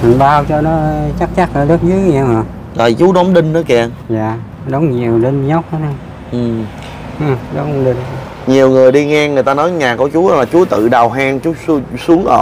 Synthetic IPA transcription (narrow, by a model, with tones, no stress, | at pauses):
ma˨˩nɓaː˧wt͡ɕɔ˧nɔ˨˦t͡ɕa˦˥k̚t͡ɕa˦˥k̚əː˨˧˩ɗə˦˥k̚zɨ˨˦˨ɲa˧˩ma˨˩ | zɔ˨˩jt͡ɕu˨˦ɗɔ˨˦wŋ͡mɗï˧ŋ̟nəː˨˦ki˧˩˨njaː˨ | ɗo˨˦wŋ͡mɲi˨˩əwɗi˧nɲə˦˥t̚ha˨˦na˧ | ʔɨ˨˩m | ʔɗo˨˦wŋ͡mɗi˧n˦ | ɲi˨˩əwŋɨ˨˩əjɗi˧ŋɛ˧ŋɨ˨˩əjt̪aː˧nɔ˨˦jɲaː˨˩kɔ˧˩˦t͡ɕu˨˦˧laː˨˩t͡ɕu˨˦t̪ɨ̰˧˨ɗa˨˩wɦaː˧ŋt͡ɕu˦˥˧su˨˦əŋʔəː˧˨˩